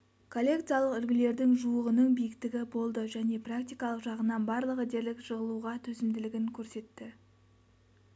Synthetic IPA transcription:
kʰo̞lʲːe̞kt̪sijɑlˠəqʏlɡʲɪle̞ɾd̪ɪŋʒuəʁənəɴbijɪkt̪ɪɡʲɪbo̞lˠd̪əʒæne̞prak̚t̪ijkɑlˠəqʒɑʁənɑnbɑɾlˠəʁəd̪e̞ɾlɪkʃəʁəlˠuʁɑt̪ʰɵzɪmd̪ɪlɪɡʲɪŋkʲʰɵɾse̞t̪ːɪ

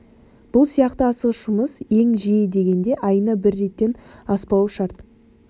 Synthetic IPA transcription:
b̥ʊlˠsijɑqt̪əɑsəʁəʃʊməse̞ŋʒijɪd̪e̞ɡʲe̞nd̪e̞ʔɑjənɑbɪɾːe̞t̪ːe̞nɑspɑwʃɑɾt̪

